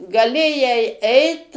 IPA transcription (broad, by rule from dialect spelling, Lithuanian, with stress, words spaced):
ɡɐˈlʲeːjɛɪ ˈɛɪt